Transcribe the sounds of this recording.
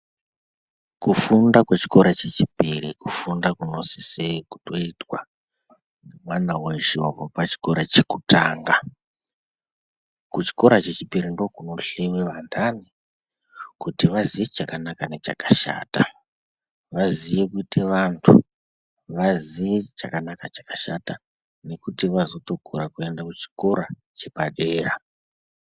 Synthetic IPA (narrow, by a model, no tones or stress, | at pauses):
kufundakwet͡ʃi̥ko̞ɾat͡ʃe̞t͡ʃipirikufundakuno̞siseku̥to̞itwa | mwanaweʒovopat͡ʃi̥ko̞ɾat͡ʃekutaːŋɡa | kut͡ʃi̥ko̞ɾat͡ʃe̞t͡ʃipiɾindo̞kuno̞ɬewe̞ʋandani | kutiʋaziʋet͡ʃakanakanet͡ʃakaʃa̰ːta | ʋaziʋekuteʋantʰu | ʋaziʋet͡ʃa̰kanakat͡ʃḁkaʃata | ne̞kutiʋazo̞to̞kʰuɾakue̞ndakut͡ʃi̥ko̞ɾa | t͡ʃe̞paɗeːra